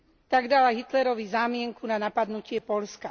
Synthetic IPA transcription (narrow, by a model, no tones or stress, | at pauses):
t̪aɡd̪alaɦit̪lɛɾɔʋizaːmɪɛŋkunanapad̪nucɪɛpɔʎska